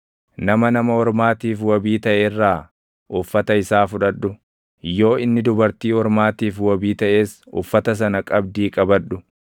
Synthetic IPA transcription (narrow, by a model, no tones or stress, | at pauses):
nɐmɐnɐmɐhɔɾmaːt̪iːfwɐbiːt̪ɐʔeːrːaː | ʔʊfːɐt̪ɐɪsaːfʊᶑɐᶑʊ | jːo̞ːɪnːɪd̪ʊbɐɾt̪iːhɔɾmaːt̪iːfwɔbiːt̪ɐʔe̞ːsʊ̰fːɐt̪ɐs̬ɐnɐkʼɐb̚d̪iːkʼɐbɐᶑːʊ